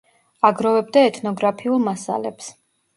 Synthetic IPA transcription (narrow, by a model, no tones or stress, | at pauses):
aɡɾɔvɛb̚d̪aɛt̪ʰnɔɡɾapʰiulˠmasa̰lɛ̰ps